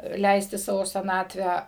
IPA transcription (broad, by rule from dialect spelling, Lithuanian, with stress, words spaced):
ˈlʲɛɪsʲtʲɪ ˈsɑːʋoː sʲɛˈnɑːtʲʋʲæː